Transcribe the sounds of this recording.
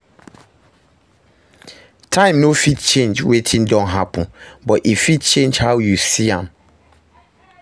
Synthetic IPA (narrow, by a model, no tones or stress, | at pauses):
tʰãɪ̃mnofitt͡ʃẽnd͡ʒwetʰĩndɔ̃nɦapɔ̃nbɔtifit̚t͡ʃẽnd͡ʒhawjusiãm